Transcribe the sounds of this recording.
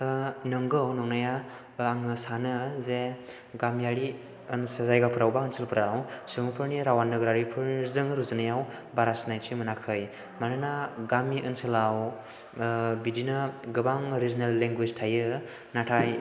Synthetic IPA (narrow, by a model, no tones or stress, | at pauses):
nɯŋɡɯwnɔŋnaja | aŋɯsanɯze | ɡamjaɽi | ɯnsazajɡapʰɯɾawbaənsʰɯlpʰɯɾawsɯmɯpʰɯɾniɾawanːɯɡɾaɾipʰɯzɯŋɾuzɯnajaw | baɾasnajt͡ʃʰimɯnakʰɯj | manɯnaɡamiʔənsʰɯlaw | bidinɯɡɯbaŋɾiznelːeŋɡweztʰajɯ | natʰaj